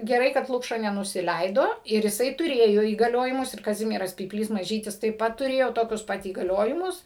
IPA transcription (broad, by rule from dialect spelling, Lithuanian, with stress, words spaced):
ɡʲɛˈrɐɪ kɐt ˈlˠʊkʃɐ nʲɛnʊsʲɪˈlʲɛɪdoː ɪr ɪˈsɐɪ tʊˈrʲeːjoː iːɡɐˈlʲoːjɪmʊs ɪr kɐˈzʲɪmʲiɛrɐs pʲiːpʲˈlʲiːs mɐˈʒʲiːtʲɪs tɐɪp ˈpɐt tʊˈrʲeːjoː ˈtoːkʲʊs ˈpɐt iːɡɐˈlʲoːjɪmʊs